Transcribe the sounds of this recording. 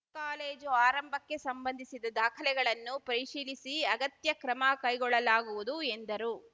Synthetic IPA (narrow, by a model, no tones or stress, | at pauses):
kaːleːd͡ʒoaːɾɐmbʱɐkːe̞sɐmbɐnd̪ʱisid̪ɐd̪aːkʰɐlɛɡɐɭɐnːupɐɾiʂiːlisiɐɡɐt̪jɐkɾɐmɐkɐjɡɔɭːɐlaːɡuʋud̪uend̪ɐɾu